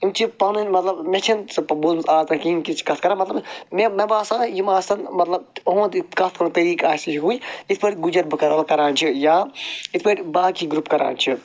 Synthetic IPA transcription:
imt͡ʃʰipɐːnunmɐt̪lɐbmʲɐt͡ʃʰinsɐpɐbolmsaːzt̪ɐkiːnkit͡ʃʰi̥kɐt̪ʰkɐɾaːmɐt̪lɐbmemɐbaːsaːjimaːsɐnmɐt̪lɐb̚oɦõːnd̪ikɐt̪ʰkɐɾut̪ɐɾiːkaːsit͡ʃɦuːjit̪ʰpɐɾʲɡud͡ʒɐɾbɐkɐɾbɐkɐɾãːnt͡ʃʰijaːit̪ʰpɐɾbaːkiɡɾupkɐɾʔa̰ːnʲt͡ʃʰi

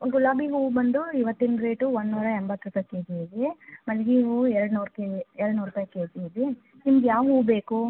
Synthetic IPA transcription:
ɡulaːbiɦuːʋbɐɳd̪uiʋɐt̪ːind̪ɾeːʈuonːuːɾɐembɐt̪ːɾut̪ɐkːed͡ʒiedemɐnɡiɦuːɛɾɽnuːɾkeɛɾɐɽnuːɾupaːjkeːsidi | nimɐɡejaːʋɦuːbeːku

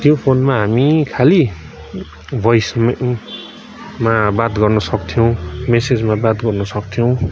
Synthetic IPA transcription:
t̪jopʰonmaɦamikʰali | bʱʌjsm | mabat̪ɡʌrnʌsʌkt̪ʰijow̃mesed͡zmabat̪ɡʌrnʌsʌkt̪ʰijow̃

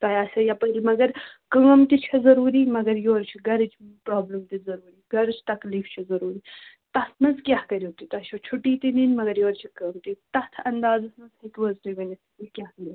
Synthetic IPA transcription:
t̪ɐjaːsɐjapɐlmɐɡɐɾ | kəːmt̪it͡ʃʰɐzɐɾuːɾimɐɡɐɾjoːɾt͡ʃʰiɡɐɾɨt͡ʃpɾaːblɨmt̪izɐɾuːɾiɡɐɾɨt͡ʃʰt̪ɐkliːft͡ʃʰɐzɐɾuːɾi | t̪ɐsmɐzkʲjahkɐɾjoːt̪it̪ɐʃot͡ʃʰuʈiːt̪ininmɐɡɐɾjoːɾt͡ʃʰikəːmt̪it̪ɐt̪ʰɐnd̪aːzɐsmɐzhɐk̪ʲwɐzɾiʋɐnist̪ikʲjaːhkɐɾʲi

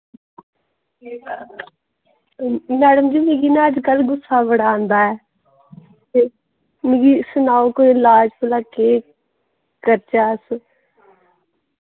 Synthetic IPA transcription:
mɛːɖəmd͡ʒiːmeːɡiːnɛ̃ːəd͡ʒkəlɡʊsːaːbəɽãːnd̪aːɛː | t̪e | meɡiːsʊnaːokoɪlaːd͡ʒpəlaːkeː | kəɾt͡ʃaːs

